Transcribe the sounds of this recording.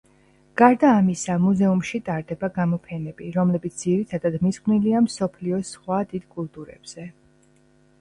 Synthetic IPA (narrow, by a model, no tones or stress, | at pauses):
ɡ̥aɾd̪aːmisamuzɛumʃit̪ʼaɾd̪ɛbaɡamɔpʰɛnɛbiɾɔmlɛbit̪sʰd̪ziɾit̪ʰad̪ad̪misχʼniliamsɔpʰliɔsχwad̪id̪̥kʼulˠt̪ʼuɾɛ̰b̥z̥ɛ